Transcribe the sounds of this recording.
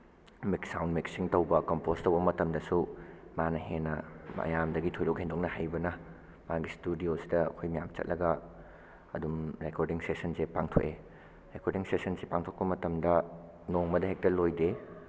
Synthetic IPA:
miksawnmiksiŋtowbɐkompostɐwbɐmɐtɐmdɐsumanɐɦenːɐmɐ̰jamdɐɡitʰojlokhendok̚nɐhajbɐnɐ | maɡistudiosidɐɐ̰kʰojmɐjamt͡ʃɐ̰t̚lʔɐɡɐ | ɐdumɾekoɾdiŋsesɐnsepaŋtʰo̰kʔe | ɾekoɾdiŋsesɐnsipaŋtʰok̚pɐmɐtɐmdɐ | noŋmɐdɐɦek̚tɐlojde

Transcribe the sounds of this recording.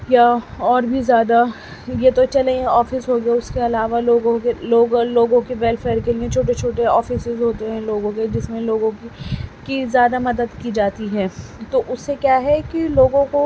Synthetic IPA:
jaɔːɾbʱizjaːd̪a | jet̪ot͡ʃɐlẽɛ̃ɔːfɪsɦoɡaʊskeɐlaːʋaloːɡõkeloːɡloːɡõkeʋɛːlfeːəɾkeliẽt͡ʃʰoːʈet͡ʃʰoːʈeɔːfɪsɪzɦoːt̪eɦɛ̃loːɡõked͡ʒɪsmẽloːɡõkikizjaːd̪amɐd̪əd̪kid͡ʒaːt̪iɦɛːt̪oʔʊsːekjaːɦɛkiloːɡõko

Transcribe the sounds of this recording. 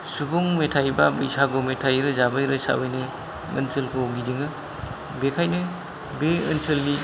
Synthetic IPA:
subɔŋmetʰajbabɯjsaɡometʰajɾɯzabajɾɯsa̰wɯjne | ɯ̰nsɯlkʰɯoɡidiŋɯ | bekʰajnɯ | beɯnsɯlːi

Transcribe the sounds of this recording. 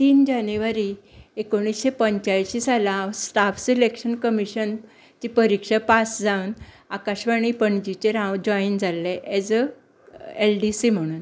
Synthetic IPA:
t̪iːnd͡ʑanjuʋaɾi | ekoɽ̃isɕepəɲt͡ɕajɕisalasʈafsilekʂənkəmiɕən | t͡ɕipəɾikʂapasd͡zawn | akaɕʋaɽ̃iːpəɳd͡ʑit͡ɕeɾãwd͡ʑɔind͡zalːeʔɛd͡z | elɖisim̤əɽ̃uːn

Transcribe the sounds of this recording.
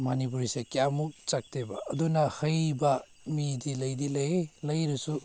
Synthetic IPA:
manip̬uɾisekjamukt͡ʃɐk̚tʰebɐ̰ːdunɐhɐjbɐ | midilɐjdilɐjelɐjɾusu

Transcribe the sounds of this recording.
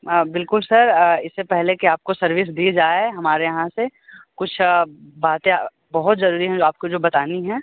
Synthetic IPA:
əbɪlkʊlsɐɾɪsːepɛɦlekiaːp̚kosɐɾʋɪs̬d̪iːd͡ʒaːɦɐmaːɾejɐɦãsekʊt͡ʃʰbaːt̪ẽ | bɐɦʊt̪zɐɾuːɾiɦɛ̃d͡ʒoaːp̚kod͡ʒoːbɐt̪aːniɦɛ̃ː

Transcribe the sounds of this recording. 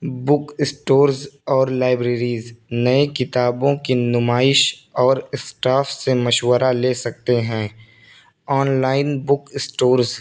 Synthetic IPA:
bʊkɪsʈoːɾzɔːɾlaːɪbɾeːɾiːznɐekɪt̪aːbõkinʊmaːɪʃɔːɾɪsʈaːfsemɐʃwəɾaleːsɐk̚t̪eɦɛ̃ː | ɔːnlaːɪnbʊkɪsʈoːɾz

